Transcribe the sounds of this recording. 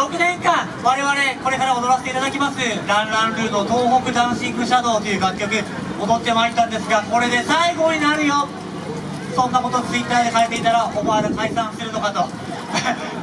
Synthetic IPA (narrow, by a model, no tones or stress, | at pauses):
ɾo̞kɯ̟nẽ̞ŋkãŋ | βaɾe̞βaɾe̞ko̞ɾe̞kaɾao̞d̪o̞ɾaset̪eit̪ad̪akʲimasɨɾãnɾãnɾɯ̟ːno̞t̪o̞ːɦo̞kɯ̟d̪ãɰ̃ɕĩŋɡɯ̟ɕad̪o̞ːt̪ojɯ̟ːɡakʲːo̞kɯ̟ | od̪o̞t̪ːe̞maiɾʲt̪ːãnd̪e̞sɨɡako̞ɾe̞d̪e̞saiɡo̞ɲ̟inaɾɯ̟jo̞ | sõ̞nːako̞t̪o̞t͡sɨit̪ːaːd̪e̞kaet̪ːe̞it̪aɾaʔobaaɾɯ̟kaisãɰ̃sɨɾɯ̟nokat̪o̞